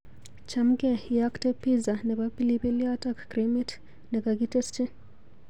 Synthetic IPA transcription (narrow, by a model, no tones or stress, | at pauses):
t͡ʃam̩ɡɛjaktɛpːizanɛbapilipɛliatakːɾimit | nɛkaɡitɛst͡ʃɛ